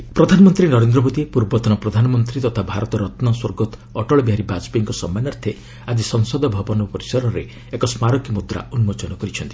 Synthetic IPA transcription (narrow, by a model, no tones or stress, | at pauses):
pɾɔd̪ʱanɔmɔnt̪ɾinɔɾend̪ɾɔmod̪ipuɾbɔt̪ɔnɔpɾɔd̪ʱanɔmɔnt̪ɾit̪ɔt̪ʰabʱaɾɔt̪ɔɾɔt̪nɔswɔɾɡɔt̪ɔʈɔɭɔbiɦaɾibad͡ʒbiŋkɔsɔmanaɾt̪ʰe | ad͡ʒisɔŋsɔd̪ʱɔbʱɔbɔnɔpɔɾisɔɾɔɾe | ekɔsmaɾɔkimud̪ɾa̰unmot͡ʃɔnɔkɔɾit͡ʃʰɔnt̪i̥